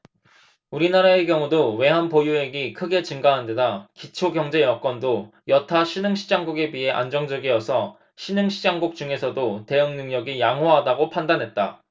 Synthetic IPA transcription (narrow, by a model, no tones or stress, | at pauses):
uɾinaɾae̞ɡjʌŋudowe̞ɦanpojue̞ɡikʰɯɡe̞t͡ɕɯŋɡaɦande̞dakit͡ɕʰoɡjʌŋd͡ʑe̞jʌk͈wʌndojʌtʰaɕʰinɯŋɕʰi̥d͡ʑaŋɡuɡe̞biɦe̞ʔa̰nd͡ʑʌŋd͡ʑʌɡiʌsʰʌ | ɕʰinɯŋɕʰid͡ʑaŋɡuk̚t͡ɕ͈uŋe̞sʰʌdote̞ɯŋnɯŋɲʌɡijaŋɦwaɦadaɡopʰandanɦe̞t̚t͈a̰